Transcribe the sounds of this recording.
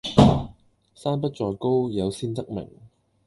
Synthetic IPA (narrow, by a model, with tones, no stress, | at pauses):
saː˥npɐ˥t̚t͡ʃɔː˧jko˥wjɐ˨˧wsiː˥nt̪ɐ˥k̚mɪ̰˨˩ŋ